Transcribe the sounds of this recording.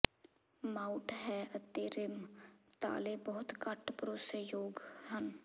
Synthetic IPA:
maːʊʈɦɛːət̪ːeɾɪmt̪a̰ːlebəɦʊt̪kəʈʰpɾoːsejoːɡɦən

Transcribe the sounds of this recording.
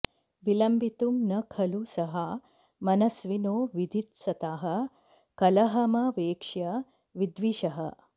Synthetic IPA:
ʋilɐmbit̪umnɐkʰɐlusɐɦa | mɐnɐsʋinoːʋid̪ʱit̪sɐt̪aːɦɐ | kɐlɐɦɐmɐʋeːkʂjɐ | ʋid̪ʋiʃɐɦɐ̰

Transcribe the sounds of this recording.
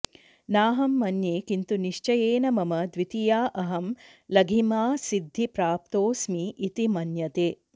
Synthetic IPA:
naːɦɐmːɐnjeːkint̪uniʃt͡ʃɐjeːnɐmɐmɐd̪ʋit̪ijaːʔɐɦɐmlɐɡʱimaːsid̪ʱːipɾaːp̚t̪oːsmiʔit̪imɐnjɐt̪eː

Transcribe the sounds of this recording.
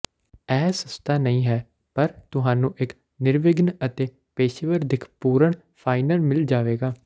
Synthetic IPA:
ɛːsəst̪ʰaːnəĩːɦɛː | pəɾt̪ʊɦaːnũːʔɪk | nɪɾʋɪɡənət̪eː | peːʃʋəɾd̪ɪkʰpuːɾəɳ | pʰaːɪnəɾmɪld͡ʒaːʋeːɡaː

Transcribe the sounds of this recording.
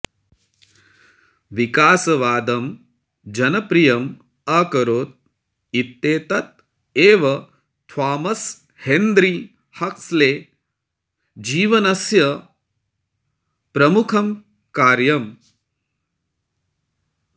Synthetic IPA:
ʋikaːsɐʋaːd̪ɐm | d͡ʒɐnɐpɾijɐm | ɐkɐɾoːt̪̚ | it̪ːeːt̪ɐt̪̚ | eːʋɐ | t̪ʰʋaːmɐs | hend̪ɾiː | hɐksleː | d͡ʒiːʋɐnɐsjɐ | pɾɐmukʰɐm | kaːɾjɐm

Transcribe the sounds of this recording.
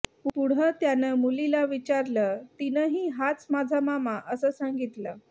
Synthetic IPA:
ppuɽ̤ət̪janəmulilaʋit͡ɕaɾlət̪inəɦiːɦat͡smad͡zʱamamaʔəsəːsaŋɡit̪ləː

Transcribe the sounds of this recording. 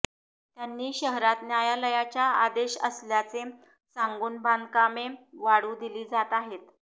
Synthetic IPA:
t̪janːiːɕəɦɾat̪njajaləjat͡ɕjaad̪eɕə̰sljat͡se | saŋɡuːnbʱankameʋaɽuːd̪iliːd͡zat̪aɦet̪

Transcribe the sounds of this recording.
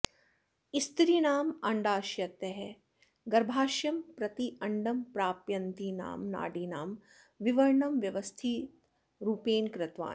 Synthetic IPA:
ist̪ɾinaːmɐɳɖaːʃjɐt̪ɛɦɛ | ɡɐɾbʱaːʃjɐmpɾɐt̪iʔɐɳɖɐmpɾaːpjɐnt̪ina̰ːmna̰ːɖina̰ːm | ʋiʋɐɾɳɐmʋjɐʋɐst̪ʰi | ɾuːpeːnkɾɪt̪ʋa̰ː

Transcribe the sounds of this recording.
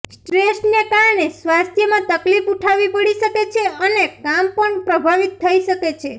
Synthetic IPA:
sʈɾesʈnekaɾɳesʋast̪ʰjəmãt̪əklifuʈʰaʋipəɽiʃəket͡ʃʰeənekampəɳpɾəbʱaʋit̪ʰːəiʃəket͡ʃʰe

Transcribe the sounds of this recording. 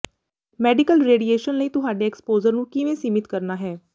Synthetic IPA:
mɛːɖɪkəlɾeːɖieːʃənləiːt̪ʊɦaːɖeːkspoːzəɾnũːkiʋẽːsiːmɪt̪kəɾnaːɦɛː

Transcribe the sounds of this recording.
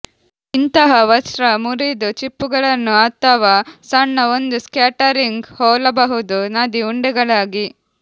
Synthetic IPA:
int̪ɐɦɐʋɐsɾɐmuɾid̪ut͡ʃipːuɡɐɭɐnːuɐt̪ːɐʋɐsɐɳːɐond̪uskjaːʈɐɾiŋɡhɔːlɐbɐɦud̪unad̪iuɳɖɛɡɐɭaːɡi

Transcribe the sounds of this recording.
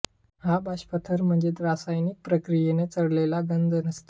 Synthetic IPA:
habʱaɕpət̪ʰəɾm̤əɳd͡zet̪ɾasajnik̚pɾəkɾijenet͡səɽlelaɡənd͡z̪ənəst̪

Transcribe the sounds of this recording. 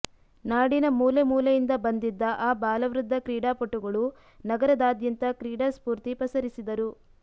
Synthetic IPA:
naːɽinɐmuːlemuːlɐjind̪ɐbɐnd̪id̪ːɐʔaːbaːlɐʋɾud̪ʱːɐkɾiːɽaːpoʈːuɡɐɭu | nɐɡɐɾɐd̪aːd̪jɐnt̪ɐkɾiːɽaːspuːɾt̪ipɐsɐɾisid̪ɐɾu

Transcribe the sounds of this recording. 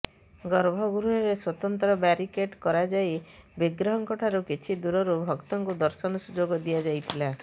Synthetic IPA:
ɡɔɾbʱɔɡuɾuɦɔɾeswɔt̪ɔnt̪ɾɔbaɾikeʈkɔɾad͡ʒajbiɡɾɔɦɔŋkɔʈʰaɾukit͡ʃʰid̪uɾɔɾubʱɔkt̪ɔŋkud̪ɔɾsɔnɔsud͡ʒoɡɔd̪ijad͡ʒajt̪ʰila

